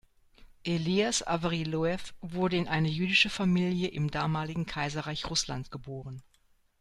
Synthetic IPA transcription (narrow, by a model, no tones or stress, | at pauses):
ʔeliasa̰vʁiloɛfvʊɐdəɪnʔaɪnɐjyːdɪʃəfamiːljəʔɪmdaːmaːlɪɡŋ̩kʰaɪzɐʁaɪçʁʊsla̰ntɡ̥əboːʁən